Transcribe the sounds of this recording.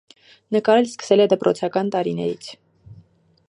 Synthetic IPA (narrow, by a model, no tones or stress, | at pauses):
nəkɑɾɛlskə̥sɛlɛd̪əpɾʔɔt͡sʰɑkɑnt̪ɑɾinɛɾit͡sʰ